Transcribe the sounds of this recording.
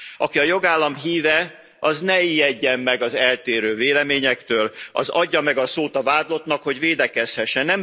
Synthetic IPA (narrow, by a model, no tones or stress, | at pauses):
ɒkiɒjo̞ɡaːlːɒmɦiːvɛ | ɒznɛijɛɟːɛmːɛɡɒzɛlt̪eːɾøːveːlɛmeːɲɛkt̪øːlʔɒ̰zɒɟːɒmɛɡɒsoːt̪ɒvaːd̪lo̞t̪nɒkho̞ɟveːd̪ɛkɛshɛʃːɛnːɛm